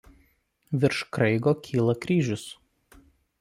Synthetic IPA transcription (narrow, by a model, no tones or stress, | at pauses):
ʋʲɪɾʃkɾɐɪɡoːkʲʰiːlˠɐkɾʲiːʒʲʊs